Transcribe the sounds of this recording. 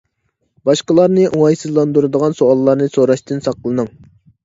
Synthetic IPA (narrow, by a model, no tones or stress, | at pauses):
bɑʃqəlˠɑɾnɨʔuŋɑjsɨzlˠɑnd̪uɾɨd̪əʁɑnsoɑlˠːɑɾnɨsoɾɑʃt̪ɨnsɑqlˠɨnɨŋ